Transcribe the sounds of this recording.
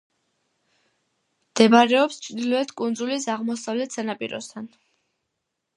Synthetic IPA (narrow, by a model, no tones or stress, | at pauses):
md̪̥ɛbaɾɛɔpst͡ʃʰɾd̪ilɔɛt̪ʰkʼund̪zulis̬aʁmɔsavlɛt̪ʰsanapʼḭɾɔ̰st̪ʰan